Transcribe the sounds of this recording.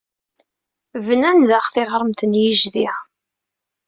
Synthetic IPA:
vənænðəχθɪʁɾˤəmt̪ənjiʒðiʁ

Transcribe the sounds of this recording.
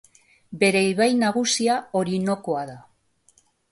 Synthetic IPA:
be̞ɾe̞iβajnaɣ̞usiao̞ɾino̞ko̞aða

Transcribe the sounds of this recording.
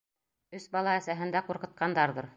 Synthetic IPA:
ɵsbɑlˠɑæsæɦɘ̆nd̪æquɾqɤ̆t̪̚qɑnd̪ɑɾðɤɾ

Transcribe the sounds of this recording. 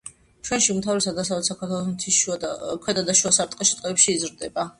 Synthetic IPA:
t͡ʃʰwɛnʃiumt̪ʰavɾisad̪asavɾlɛt̪sakʰaɾt̪ʰwɛlˠɔsmt̪ʰiʃkʰwɛd̪ad̪aʃuasaɾt̪ʼqʼɛʃi̥t̪ʼqʼɛɛpʃiːzɾd̪ɛba

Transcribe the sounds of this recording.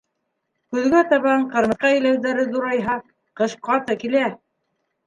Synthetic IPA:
kʉðɡæt̪ɑβɑɴqɤ̆ɾmɤ̆sqɑĕlæwðæɾɘðuɾɑjɦɑ | qɤ̆ʃqɑt̪ɤkilæ

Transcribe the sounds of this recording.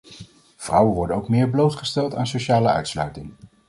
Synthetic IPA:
v̥rʌwənʋɔɹdənowkmɪːɹblowtχəstɛlˠtaːnsowʃaːləœ̰ɥtslœ̰ɥtɪŋ

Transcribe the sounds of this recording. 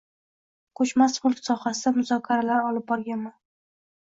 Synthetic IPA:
qʰɵt͡ʃmasχʊlˠksɒhasɪd̪amʊzɒkʲʰaɾalaɾɒlɪp̚bɒɾɡʲanman

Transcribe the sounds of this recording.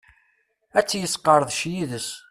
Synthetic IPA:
æt͡sːjəsqəɾˤəðˤʃjiðəs

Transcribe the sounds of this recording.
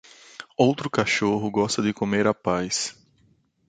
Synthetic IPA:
owt̪ɾʊkaʃoɦʊɡɔst̪ɐd̪ɪkomeɾapajs

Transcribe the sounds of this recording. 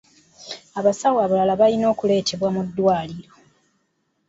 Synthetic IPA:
aβasawaβulalaβalino̞ːkule̞ːtʰe̞βwamudːwaːliɾo̞

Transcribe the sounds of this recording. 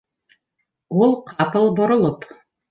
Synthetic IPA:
ulˠqʰɑpɤlˠbŏɾŏlˠɤp

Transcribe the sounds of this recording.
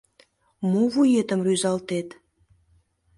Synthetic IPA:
moβujet̪əmryzɑlt̪et̪

